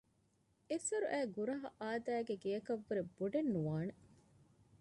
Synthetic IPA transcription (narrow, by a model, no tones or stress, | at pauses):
esɐɾuʔæːɡuɾɐɦɐʔaːd̪æːɡeɡejɐkɐʋːuɾeb̥uɖenːuʋaːne